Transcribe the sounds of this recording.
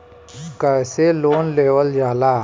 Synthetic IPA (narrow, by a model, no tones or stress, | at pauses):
kəːseloːnleːʋəld͡ʒaːlaː